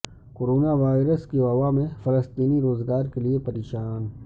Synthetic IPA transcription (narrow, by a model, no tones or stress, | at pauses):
koːɾoːnaʋaːɪɾəskiʋɐʋamẽfɐləst̪iːniɾoːzɡaːɾkeliepɐɾeːʃaːn